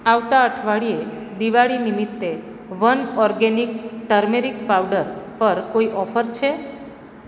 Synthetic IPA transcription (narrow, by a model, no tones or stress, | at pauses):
aʋt̪aəʈʰʋaɭie | d̪iʋaɭinimit̪ːe | ʋənɔɾɡenikʈəɾmeɾikpawɖəɾpəɾkoiʔɔfəɾt͡ʃʰe